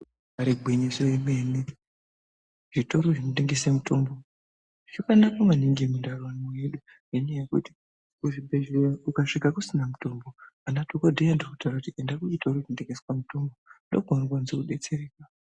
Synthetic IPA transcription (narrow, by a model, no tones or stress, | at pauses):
aɾeɡʱweɲesoimene | ʐito̞ɾoʐinote̞ŋɡe̞semuto̞mbo̞ | ʐokanakamaniŋɡimundarwanmojeɗu | jenejekṵti̥ | uʐibeʐeukaʂikakusinamuto̞mbo | anatokodʱejandokutawɾrakutiendakuʐito̞ɾoʐinote̞ŋɡeswamuto̞mbondoɡʱonokwanzekuɗe̞t͡se̞reːkwa